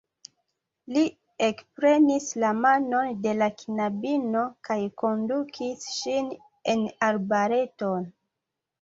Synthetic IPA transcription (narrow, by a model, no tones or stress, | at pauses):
li | ekpɾe̞nislamano̞nde̞lakinabino̞kajko̞ndukʰisʃin | e̞naɾbaɾe̞to̞n